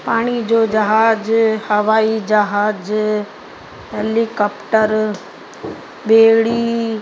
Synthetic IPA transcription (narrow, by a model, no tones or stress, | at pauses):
paːɽ̃id͡ʑoːd͡ʑɐɦaːd͡ʑhɐʋaːid͡ʑɐɦaːd͡ʑ | ɦeːlikɔːpʈəɾ | beːɽi